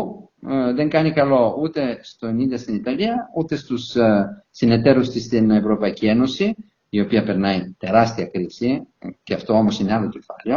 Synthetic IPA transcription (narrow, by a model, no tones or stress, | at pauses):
pu | ðe̞ŋkɐnikɐlo̞ut̪e̞st̪oeniðiɐst̪init̪ɐliɐut̪e̞st̪usː | ine̞t̪eɾust̪ist̪inevɾo̞pɐicie̞no̞si | io̞piɐpe̞ɾnɐit̪e̞ɾɐst̪iɐkɾisiceɐft̪oo̞mo̞sinealo̞ce̞fɐleo̞